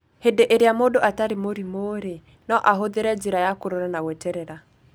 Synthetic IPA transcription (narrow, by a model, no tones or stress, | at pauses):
hedeʔeɾeamodoʔataɾemoɾimoɾe | nɔʔaɦoðeɾɛd͡ʒeɾajakoɾoɾanawɛtɛɾɛɾa